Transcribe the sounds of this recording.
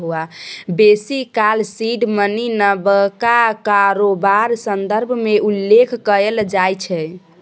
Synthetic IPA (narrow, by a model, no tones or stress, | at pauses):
ɦuabesikalsiɖməninəbəkakaɾobaɾsənd̪əɾbʱmeʔulːekʰkəeld͡ʒajt͡ʃʰɛ